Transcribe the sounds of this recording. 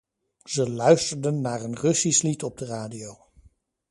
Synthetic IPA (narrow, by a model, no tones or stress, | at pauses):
z̥əlœɥstəɹdənːaːɹənrɵsislitɔb̚dəraːdiow